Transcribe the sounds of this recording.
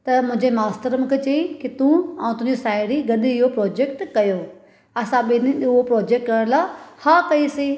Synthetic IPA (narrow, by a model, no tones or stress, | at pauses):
t̪ɐmʊ̃ɦɪ̃ɲd͡ʑemaːst̪əɾəmkʰet͡ɕɐĩkit̪ũaːũt̪ʊ̃ɦɪ̃ɲd͡ʑisaːɪɽiɡɐɗiɪɦopɾɔːd͡ʑekʈkɐjoː | ɐsãɓɪniɗʊopɾɔːd͡ʑek̚ʈkɐəɽ̃laːhaːkɐisĩ